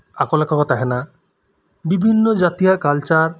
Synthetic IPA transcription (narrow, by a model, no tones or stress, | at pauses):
akolakakɔt̪aɦɛna | bibʱinːod͡ʒat̪ijakalt͡ʃaɾ